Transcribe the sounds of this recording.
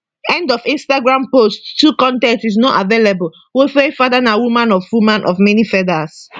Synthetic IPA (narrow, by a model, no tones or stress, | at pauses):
ɛ̃ndɔfĩnstaɡɹãmposttːukɔ̃ntɛ̃ntis̬nɔʔavelebəl | wefefadanawumãnɔfwumãnʔɔfmɛnifɛdas